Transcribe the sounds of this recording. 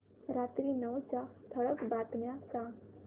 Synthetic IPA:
ɾat̪ɾinəwt͡ʃat̪ʰəɭəkbat̪njasa

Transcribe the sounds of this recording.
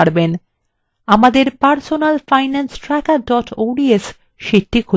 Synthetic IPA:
aɾben | amad̪eɾpaɾsonalfajnansʈɾɛkaɖɔʈʰoɖies | ʃiʈːikʰu

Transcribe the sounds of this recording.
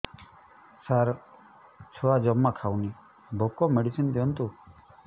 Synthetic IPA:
saɾ | t͡ʃʰoad͡ʒɔmːakʰawni | bʱokɔmeɽisind̪iɔnt̪u

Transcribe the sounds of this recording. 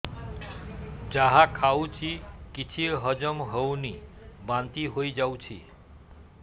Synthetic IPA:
d͡ʒaɦãkʰawt͡ʃʰikit͡ʃʰiɾɦəd͡ʒəmɦəwnibãnt̪iɦoid͡ʒawt͡ʃʰḭ

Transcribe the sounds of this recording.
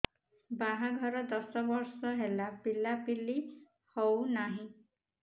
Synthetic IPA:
baɦaɡʱɔɾɔd̪ɔsɔbɔɾsɔɦelabilapili | hownaɦĩ

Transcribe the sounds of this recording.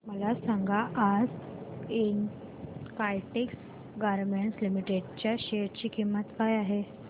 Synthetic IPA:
məlasãŋɡʱaʔːd͡zin | kajʈeks | ɡaɾmeɳʈslimiʈeɖt͡ɕjaɕeɾt͡ɕiːkimːət̪kajaɦe

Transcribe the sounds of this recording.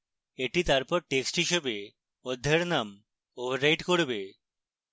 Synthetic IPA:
eʈit̪aɾpɔɾʈeksʈɦiʃebe | od̪ʱːeɾnam | obʱaɾːajʈkoɾbe

